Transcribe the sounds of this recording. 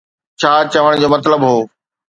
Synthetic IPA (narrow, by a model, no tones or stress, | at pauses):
t͡ɕʰaːt͡ɕɐʋəɽ̃d͡ʑoːmɐt̪ləbɦoː